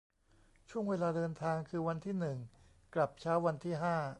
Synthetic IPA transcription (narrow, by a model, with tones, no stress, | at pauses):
t͡ɕʰu˥˩əŋweː˧laː˧dɤː˧nt̪ʰaː˧ŋkʰɯː˧wa˧nt̪ʰiː˥˩nɯ˨˩ŋ | kla˨˩p̚t͡ɕʰaː˦˥wːa˧nt̪ʰiː˥˩ɦaː˥˩